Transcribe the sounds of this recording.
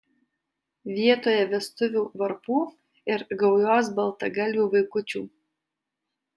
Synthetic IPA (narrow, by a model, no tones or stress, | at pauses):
ʋʲiɛt̪oːjɛʋʲɛst̪ʊʋʲuːʋɐɾpuː | ɪɾɡɐʊjoːs̬bɐlˠt̪ɐɡɐlʲʋʲuːʋɐɪkʊt͡ʃʲuː